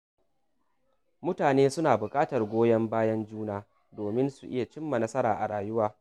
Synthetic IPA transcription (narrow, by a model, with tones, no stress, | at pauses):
mʊ˦taː˨neː˦sʊ˦naː˨bʊ˨kʼaː˦tɐ˨rɡʷoː˦jɐ˦mbaː˦jɐ˦nd͡ʒuː˦naː˦ | doː˨mɪ˦nsu˨ʔɪ˦ja˨t͡ʃɪ˦mːa˨nɐ˦sɐ˦ɾa̰ː˨ʔa˨ɽaː˨jʊ˦waː˦